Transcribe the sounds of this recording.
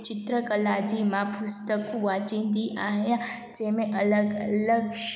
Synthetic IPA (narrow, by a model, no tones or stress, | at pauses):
t͡ʃɪt̪ɾəkəlad͡ʒimãpʊst̪əkuʋat͡ʃĩnd̪iʔaɦjã | d͡ʒemẽʔələɡələɡ